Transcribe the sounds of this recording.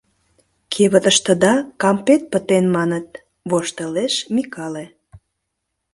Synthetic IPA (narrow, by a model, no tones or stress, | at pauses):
kʰeβət̪əʃt̪ə̆d̪ɑkɑmpet̪̚pət̪enmɑnət̪ | βoʃt̪əleʃmikɑle